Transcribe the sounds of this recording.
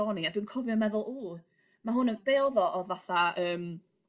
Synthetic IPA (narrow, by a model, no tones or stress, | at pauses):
ɔniadwɨːnkʰɔvjɔmɛðʊlˠuː | maɦʊnəb̥ɛlˠðɔʔɔðvaθaəːm